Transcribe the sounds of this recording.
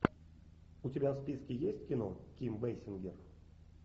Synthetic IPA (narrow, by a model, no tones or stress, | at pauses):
utʲebʲaspʲiskʲijesʲtʲkʲinokʲimvejsʲɪnɡʲer